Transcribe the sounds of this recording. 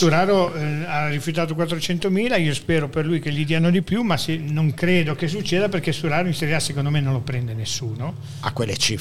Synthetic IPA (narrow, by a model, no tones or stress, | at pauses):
suɾaːɾoarːifjut̪̬aːt̪̬ok̬wat̪ːɾot͡ʃɛnt̪omiːlaiːospɛːɾoperlujk̟eʎid̪iːanod̪ipjumasenoŋkɾeːd̪okes̬ut͡ʃːeːd̪aperkesuɾaːɾoinseɾjasekond̪omenːõnlopɾɛnd̪enesːuːno | a̰kːwelːḛt͡ʃiː